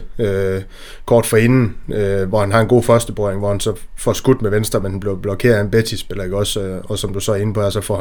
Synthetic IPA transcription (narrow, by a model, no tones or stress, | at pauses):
ø | kʰɒːd̥fɒe̝nn̩øʋɒhænɦɑ̈e̝nɡo̝̰ːfɶɐsd̥əb̥ʁɒeŋʋɒhænsɒ̽fɒsɡ̥ud̥meʋensd̥ʁɐmenhænb̥le̝ʊb̥lɒ̽kʰe̝̰ːɐenb̥et͡sʰisb̥elɐeɡ̥ɒ̽sɒ̽sɒ̽md̥usɒ̽æɐe̝nəpʰɒ̽eɐsɒ̽fɒ̰ːh